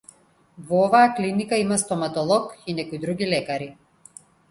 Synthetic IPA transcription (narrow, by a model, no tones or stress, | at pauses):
vɔɔvaːklinikaimast̪ɔmat̪ɔlˠɔkinɛkɔjd̪ɾuɡilɛkaɾi